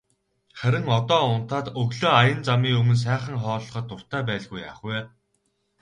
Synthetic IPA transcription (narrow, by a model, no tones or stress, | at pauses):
χæɾʲɪ̆ŋɔt̪ɔːʊn̥t̪aːt̪ɵɣɮoːajə̆nt͡samiːɵmɵ̆ns̬æːχə̆ŋχɔːɮɞ̆χə̆t̪ːʊr̥t̪æːp̬æːɮɣuja̰ːχweː